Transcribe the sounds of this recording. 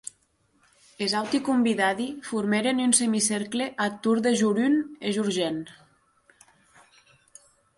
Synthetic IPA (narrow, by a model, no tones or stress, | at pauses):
ezawt̪ikumbiðaðifuɾmeɾenynsemiseɾkleʔat̪uɾðeʒuɾyneʒuɾʒen